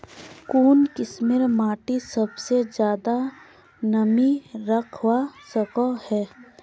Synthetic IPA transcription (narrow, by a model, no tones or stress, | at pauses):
kuːnkɪsmɪɾmaːʈisɐbsed͡ʒjaːd̪a | nɐmiɾɐkʰwasəkohɛː